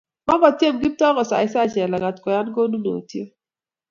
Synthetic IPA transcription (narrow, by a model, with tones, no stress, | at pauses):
ma˦ɡɔ˨tje˦˨mɡi˦tɔ˦ɡɔ˨sa̰˨ɪ˦sa˦˨t͡ʃɛ˨la˨ŋa˨tkɔ˨ja˦nɡo˦nu˦no̰˨tje˦